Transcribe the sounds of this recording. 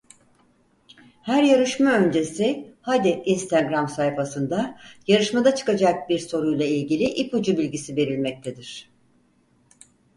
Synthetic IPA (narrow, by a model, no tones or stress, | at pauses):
hæɾjaɾɯʃmaø̞nd͡ʒe̞sɪhad̪iʔinst̪ʰaɡɾamsajfasɯnd̪ajaɾɯʃmad̪at͡ʃʰɯ̥kad͡ʒak̚biɾso̞ɾujlˠailʲɟilʲiʔipud͡ʒubilʲɟisive̞ɾilʲmɛc̚t̪ʰed̪iɾ̝̥